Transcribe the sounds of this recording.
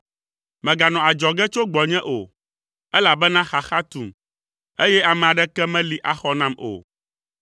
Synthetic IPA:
mɛ̃˨ɡa˨nɔ̃˨a˨d͡ʒɔ˨ɡɛ˦t͡ʃo˦ɡ͡bɔ˨ɲɛ̃˦ʔo˨ | ɛ˦la˨bɛ˦nã˦xa˨xa˦t̪u˨m | e˦jɛ˦a˨mɛ̃˨a˨ɖɛ˦kɛ˦mɛ̃˦li˨ʔa˨xɔ˦nã˦mo̰˨

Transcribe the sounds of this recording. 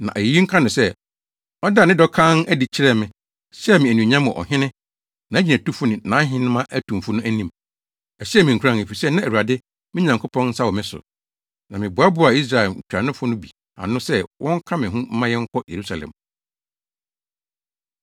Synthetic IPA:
nã̰˨ʔæ˨ji˨ji˦ŋ̩˦kʰã˦nʊ̃˨sɛ˦ | ɔ˦da˦˨nɪ̃˦dɔ˦kʰã˦næ˦di˨t͡ɕʰɪ˦ɾɛ˦mɪ̃˨ | sɛ˦˨mɪ̃˨æ˨nũ˨ɲã˦mɔ̰̃˨ʔɔ̰˨ɦɪ̃˦nɪ̃˦ | nã˨æ˦d͡ʑi˨næ̃˨tu˦fʊ˦nɪ̃˨nã˨˦ɦɪ̃˦nɪ̃˦mã˦ʔæ˦tʰũ˨m˨fʊ˦nʊ̃˦æ˦nĩ˦m | ɛ˨ɕi˦ɛ˦mɪ̃˨ŋ̩˨kʰu˨ɾã˦˨e˨fi˨sɛ˦nã˦æ˨wu˨a˨dɪ˦ | mɪ̃˦ɲã˨ŋkʰʊ˦pʰɔ̃˦nn̩˦sa˦wɔ˨mɪ̃˦sʊ̰˨ | nã˨mɪ̃˨bʊ˨a˦bʊ˦a˨i˦s̬ɾa˨ɛ˨l̩˨kʰᶣu˨ɾa˨nʊ̃˦fʊ˦nʊ̃˦bi˨ | a̰˨nʊ̃˦sɛ˦wʔɔ̃˦ŋ̩˦kʰã˦mɪ̃˨ɦʊ̃˦m̩˦mã˦jɛ˦ŋ̩˦kʰɔ˦jʔe˨ɾu˦sa˨lɛ̰̃˨m

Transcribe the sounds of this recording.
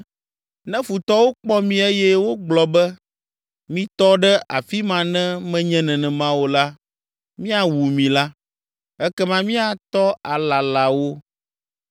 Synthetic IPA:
nɛ̃˦fu˨t̪ɔ˦wo˦k͡pɔ˦mĩ˨ɛ˦jɛ˦wo˦ɡ͡blɔ˨bɛ˦ | mĩ˦t̪ɔ˦ɖɛ˦ʔa˨fi˦mã˨nɛ̃˦mɛ̃˦ɲɛ̃˦nɛ̃˨nɛ̃˨mã˦wo˨la˦ | mĩ˦a˨wu˨mĩ˨la˦ | ɛ˦kɛ˦mã˦mĩ˦a˨t̪ɔ˦a˨la˨la˨wo˦

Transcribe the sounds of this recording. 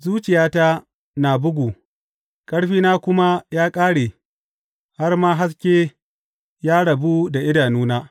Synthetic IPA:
zuː˦t͡ʃɪ˨jaː˦ta˦ | na˨bʊ˦ɡʷuː˨ | kʼɐ˦ɽɸiː˦naː˦kʷʊ˦ma˦jaː˦kʼaː˦ɽeː˨ | ha˦rmaː˦ɦa˦s̬kʲeː˦ | jaː˦ɽɐ˨bu˦da˨ʔɪ˦daː˨nuː˦naː˦

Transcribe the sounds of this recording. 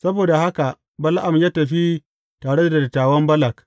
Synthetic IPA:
sɐ˦boː˨da˨ha˦ka˨ | bɐ˦la˦ʔa˨mjaː˦tɐ˨ɸi˦ | taː˨ɽe˦dda˨dɐ˨tːaː˨wɐ˦mbɐ˦la˨k

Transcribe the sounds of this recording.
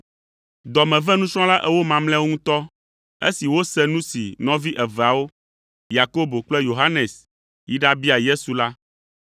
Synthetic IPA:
d̪ɔ˨mɛ̃˨vɛ˦nũ˦sɾ̃ɔ̃˦la˦ʔɛ˦wo˦mã˨mlɛ̃˦wo˦ŋũ˦t̪ɔ˦ | ḛ˦si˨wo˦sɛ˦nũ˦si˨nɔ̃˦vi˦ʔɛ˨vɛ˨a˨wo˦ | ja˨ko˦bo˨k͡plɛ˦jo˨ɦa˦ne˨s | ji˦ɖa˦bi˦a˨je˦su˨la˦

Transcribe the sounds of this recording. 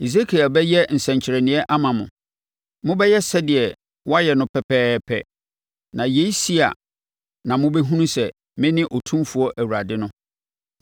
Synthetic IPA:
i˨s̬e˦kʰi˨a˨bɛ˦jɛ˦n̩˨sɛ̃˨ɲt͡ɕʰɪ˨ɾɛ˨nɪ̃˨˦ɛ˦ʔa˦mã˨mʊ̰̃˨ | mʊ̃˦bɛ˦jɛ˦sɛ˦dɪ˨ɛ˨ | wɔ˦a˦jɛ˨nʊ̃˦pʰɛ˦pʰɛː˦pʰɛ̰˦ | nã˨je˨˦i˦si˦a̰˨ | nã˨mʊ̃˦bɛ˦ɦũ˦nũ˦sɛ˨ | mɪ̃˦nɪ̃˦ʔɔ˨tʰũ˦mfu˨˦ɔ˦ʔæ˨wu˨ɾa˨dɪ˦nʊ̃˦

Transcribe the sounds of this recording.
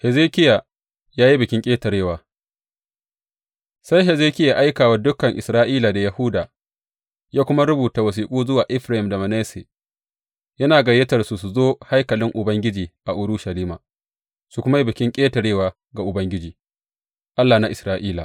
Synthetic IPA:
hɛ˨zeː˦kʲɪ˦ja˨ | jaː˦ji˦bɪ˨kʲɪ˦ŋkʲʼeː˦tɐ˨ɽeː˦˨waː˨ | sa˦jɦɛ˨zeː˦kʲɪ˦ja˨ʔa˦jkaː˨wa˦dʊ˦kɐ˨ŋʔɪ˨sɾaː˦ʔiː˦la˨da˨jɐ˨hʊ˦daː˨ | jaː˦kʷʊ˦ma˦ɾʊ˦buː˨ta˨wɐ˨s̬iː˦kʷʼuː˦zʊ˦waː˨ʔɪ˦ɸɾa˨hɪ˨mda˨mɐ˨neː˦se˨ | jɐ˦naː˨ɡɐ˨je˦tɐ˨rsu˨su˨zoː˦ha˦jkɐ˨lɪ˦ŋʔʊ˨bɐ˦ŋɡʲɪ˦d͡ʒiː˨ʔa˨ʔʊ˦ɾu˦ʃɐ˨liː˦maː˨ | su˨kʷʊ˦ma˦ji˦bɪ˨kʲɪ˦ŋkʲʼeː˦tɐ˨ɽeː˦˨waː˨ | ɡa˨ʔʊ˨bɐ˦ŋɡʲɪ˦d͡ʒiː˨ | ʔa˦lːaː˨na˨ʔɪ˨sɾaː˦˨ʔiː˦la̰˨

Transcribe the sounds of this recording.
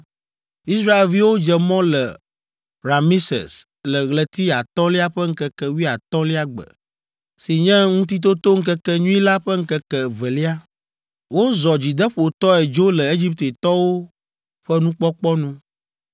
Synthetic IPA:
i˦sɾa˦e˨lvi˦wo˦d͡ʒɛ˨mɔ̃˦lɛ˨ | ɾa˨mi˦sɛ̰˨s | lɛ˨ɣlɛ˨t̪i˦a˨t̪ɔ̃˦li˦a˦ɸɛ˦ŋ̩˦kɛ˦kɛ˦wi˦a˨t̪ɔ̃˦li˦a˦ɡ͡bɛ̰˨ | si˨ɲɛ̃˦ŋũ˦t̪̬i˦t̪̬o˦t̪o˦ŋ̩˦kɛ˦kɛ˦ɲũ˦i˦la˦ɸɛ˦ŋ̩˦kɛ˦kɛ˨vɛ˨li˦a˦ | wo˦zɔ˨d͡ʑi˨d̪ɛ˦ɸo˨t̪ɔ˦ɛ˨d͡ʒo˦lɛ˨e˦d͡ʒi˦p̚t̪e˨t̪ɔ˦wo˦ | ɸɛ˦nũ˦k͡pɔ˦k͡pɔ˦nũ˦

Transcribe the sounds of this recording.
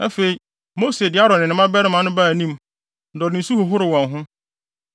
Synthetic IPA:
a˦fe˨i˦ | mo˦se˨dɪ˨˦a˦ɾɔ˨nɪ̃˨nɪ̃˨mã˦bɛ˦ɾɪ˦mã˨˦nʊ̃˦ba˦˨nĩ˦m̩˦ | dɔ˨nɪ̃˨su˦hʊ˨ɦʊ˦ɾɪ˨wɔ̃˨nɦʊ̃˦

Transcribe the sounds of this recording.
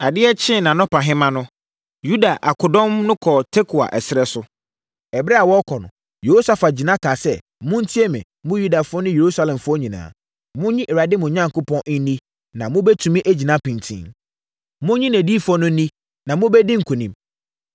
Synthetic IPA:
a˨dɪ˦ɛ˦t͡ɕʰɪ̃˦˨nã˨nʊ̃˦pʰã˨ɦɪ̃˦mã˦nʊ̃˦ | ju˦da˨ʔa̰˨kʰʊ˨dɔ̃˦mnʊ̃˦kʰɔ˨tʰe˦kʰu˨a̰˨ʔɛ˨sɪ˨ɾɛ˦sʊ˦ | ɛ˨bɾɛ˦a˨wɔ˦kʰɔ˨nʊ̰̃˨ | jo˨o˦sa˨fa˨d͡ʑi˨nã˦kʰa˨sɛ˦˨ | mʊ̃˦n̩˦tʰi˦ɛ˦mɪ̰̃˨ | mʊ̃˦ju˦da˨fʊ˦ɔ˦nʊ̃˦je˨ɾu˦sa˦lɛ̃˨mfʊ˦ɔ˦ɲĩ˨nã̰ː˨ | mʊ̃˦ɲĩ˦ʔɛ˨ɾa˨dɪ˦mʊ̃˨ɲã˦ŋ˨kʊ˦pʰɔ̃˦n̩˦nĩ˦ | nã˨mʊ̃˦bɛ˦tʰũ˨mĩ˦ʔe˦d͡ʑi˨nã˦pĩ˨ntʰḭ̃˦ | mʊ̃˦ɲĩ˦næ̃˨diː˦fʊ˦ɔ˦nʊ̃˦nĩ˦ | nã˨mʊ̃˦bɛ˦dĩ˦ŋ̩˨kʰũ˨nĩ˦m

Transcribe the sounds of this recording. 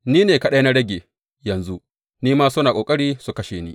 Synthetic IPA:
niː˦neː˨kɐ˦ɗɐ˦na˦ɽɐ˦ɡʲeː˨ | jɐ˨nzu˦ʔ | niː˦maː˦sʊ˦naː˨kʼoː˨kʼɐ˦ɽiː˦su˨kɐ˦ʃeː˨niː˦

